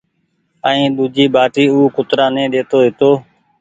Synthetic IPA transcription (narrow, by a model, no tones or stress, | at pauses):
əĩːɗ̪uːd͡ʒiːbaːʈiːuːkʊt̪ɾãːnẽːɗeːt̪oːɦɪt̪oː